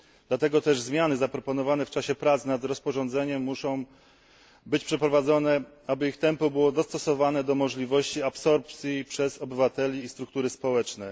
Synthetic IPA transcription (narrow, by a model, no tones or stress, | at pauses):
d̪lat̪ɛɡɔt̪ɛʐzmʲjanɘzapɾɔpɔnɔvanɛft͡ʂaɕɛpɾat̪snad̪ɾɔspɔʐɔnd̪zɛɲɛmːuʂɔ̃w̃ | bɘt͡ɕpʂɛpɾɔvad̪zɔnɛ | abɘixt̪ɛmpɔbɘwɔd̪ɔst̪ɔsɔvanɛd̪ɔmɔʐlʲivɔɕt͡ɕiapsɔɾp̚t̪sʲjipʂɛzɔbɘvat̪ɛlʲiːst̪ɾuk̚t̪uɾɘspɔwɛt͡ʂnɛ